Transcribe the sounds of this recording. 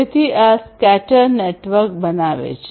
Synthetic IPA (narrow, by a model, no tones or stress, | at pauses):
et̪ʰiaskæʈəɾneʈʋəɾkbənaʋḛt͡ʃʰ